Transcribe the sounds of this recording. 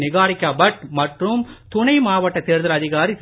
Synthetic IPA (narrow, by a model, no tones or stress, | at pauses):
nɪɣaːɾɪkːaːbɐʈ̚mɐʈrɯmt̪ʊɳɐɪmaːʋɐʈːɐt̪ːeːɾðɐlɐðɪɣaːɾis